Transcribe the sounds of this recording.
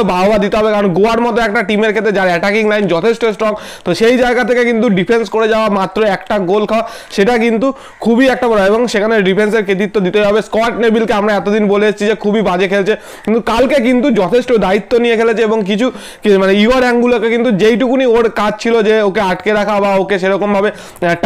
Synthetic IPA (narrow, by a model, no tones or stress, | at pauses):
baobad̪it̪eɦɔbekaɾonɡoaɾmɔt̪oɛk̚ʈaʈimeɾkʰet̪ɾed͡ʑaɾɛʈakiŋlajnd͡ʑɔt̪ʰesʈosʈɾɔɡ | tt̪oʃejd͡ʑaeɡat̪ʰekekint̪uɖipʰenskoɾed͡ʑaoamat̪ːɾoɛkʈaɡolkʰaa | ʃeʈakint̪u | kʰubiɛk̚ʈabɔɾoeboŋʃekʰaneɾɖipʰenseɾkʰet̪̬it̪ːod̪it̪eɦɔbeskɔʈnebilkeamɾaɛt̪od̪inboleeʃt͡ɕʰid͡ʑekʰubibad͡ʑekʰelt͡ɕʰe | kint̪ukalkek̬int̪ud͡ʑɔt̪ʰeʃʈod̪ait̪ːonijekʰelet͡ɕʰeeboŋk̬it͡ɕʰu | kmaneioɾɛŋɡulokekint̪ud͡ʑejʈukunioɾkad͡ʑt͡ɕʰilod͡ʑeokeaʈkeɾakʰabaokeʃ̬eɾɔkombʱabe | ʈ